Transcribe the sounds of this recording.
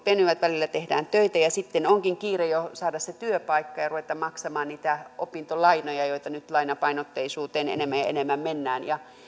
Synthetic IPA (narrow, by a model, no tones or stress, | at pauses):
penyʋæt̪ʋælilːæt̪ehdæ̰ːnt̪øit̪æjɑsit̪ːenoŋkiŋkiːrejosɑːdɑsset̪yøpɑikːɑjɑruʋet̪ːɑmmɑksɑmɑːnniːt̪æo̰pint̪olɑinojɑjoit̪ɑnyt̪lɑinɑpɑinot̪ːeisuːt̪eːnḛnemːæjjɑ̰ḛnemːæmmenːæːnjɑ